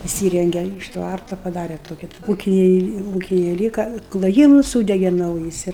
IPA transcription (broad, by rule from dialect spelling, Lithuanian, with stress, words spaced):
ɪˈsʲiːrʲɛŋʲɡʲɛ ɪʃ ˈtʋɐrtɐ pɐˈdɑːrʲɛ toːˈkʲɪ ˈuːkʲɪnʲɛɪ ˈuːkʲɪnʲɛɪ ˈlʲiːkɐ klˠoːˈjiːmʊs ˈsuːdʲɛɡʲɛ ˈnɐʊjɪs ɪr